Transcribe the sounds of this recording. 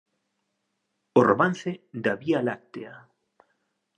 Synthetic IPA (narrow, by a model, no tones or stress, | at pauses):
oraman̟θed̪aβialak̚t̪ea